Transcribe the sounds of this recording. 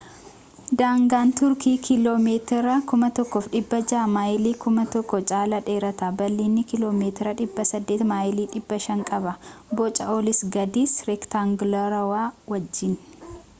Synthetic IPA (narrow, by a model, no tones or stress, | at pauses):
d̪aːŋɡaːnt̪ʊɾkiːkʰɪloːmeːt̪ɪɾɐkʊmɐt̪ɔkːoːfᶑɪbːɐd͡ʒaːmaːjɪliːkʊmɐt̪ɔkːɔt͡ʃʼaːlɐᶑe̞ːɾɐt̪abɐlːiːnːɪkɪlo̞ːmeːt̪ɪɾɐᶑɪbːɐsɐd̪ːeːt̪maːjɪliːᶑɪbːɐʃɐŋkʼɐbɐbɔt͡ʃʼɐoːlɪsɡɐd̪iːsɾɛkt̪aŋɡlɐɾɐwaːwɐd͡ʒːɪn